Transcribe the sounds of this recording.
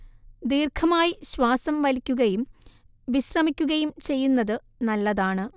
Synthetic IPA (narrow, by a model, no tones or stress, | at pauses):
d̪iːrkʰɐmaːjiɕwaːsɐmʋɐlikʲːuɣɐjum | ʋiɕrɐmikʲːuɣɐjumt͡ɕe̞jːunːɐðɨ | nɐlːɐðaːɳɨ